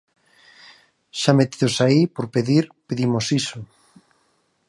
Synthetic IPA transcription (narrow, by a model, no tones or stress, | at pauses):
ʃamet̪iðosaipoɾpeðiɾpeðimosisʊ